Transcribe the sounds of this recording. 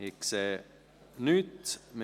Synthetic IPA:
ikse | nyːd̪m

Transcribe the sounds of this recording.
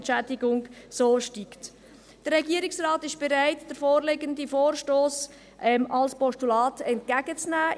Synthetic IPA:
nt͡ʃædɪɡʊŋsoːʃtikt | d̥əɾːɛɡiːəɾɪksrɑːtɪʃb̥ɛɾæɪtd̥əɾfoːɾleɡəndifoːɾʃtoːs | ʔɛmɑlspɔʃtulɑːtɛntkæɡət͡snæː

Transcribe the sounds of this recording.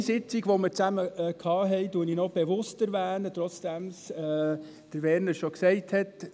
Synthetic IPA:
sɪt͡siɡʋoməɾt͡sæməkʰɑːɦɛɪduəninɔb̥evʊstæɾvæːnət̪ɾɔt͡sd̥ɛms | d̥əɾʋɛɾnəɾʃoksɛɪthɛt

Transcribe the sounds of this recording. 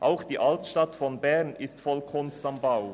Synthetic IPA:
ʔaʊxd̥iːʔaltʃtatfɔnbɛʁnɪstfɔlkʰʊnstambaʊ

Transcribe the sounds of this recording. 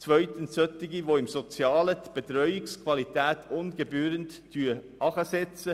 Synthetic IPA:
t͡svœʏt̪ənssœt̪ːɪɡiʋoɪmsot͡sjɑːlət̪b̥et̪ɾœʏɪkskʰvɑlit̪æːt̪ʰʊnɡ̥ebyːɾəntːʰ | yːə | ɑχəsɛt͡sə

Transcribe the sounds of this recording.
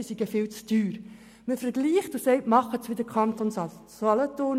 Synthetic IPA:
siɡ̥əfɪlt͡sd̥yːɾ | məfəɾɡliːχtusɛɪtmɑχətsʋɪdəkʰχɑnt̪on | olɔtoːn

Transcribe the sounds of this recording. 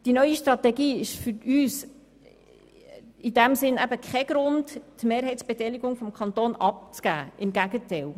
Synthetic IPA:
d̥inœʏiʃtɾɑtɛɡiːɪʃfʏɾyːs | ɪdæmsɪnæbəkχɛɡ̥ɾʊnttmeːɾɦɛɪt͡sb̥ɛtɛlɪɡʊŋfɔmkʰχɑnt̪oːnɑp̚t͡skɡ̥æːɪmɡæɡətɛɪl

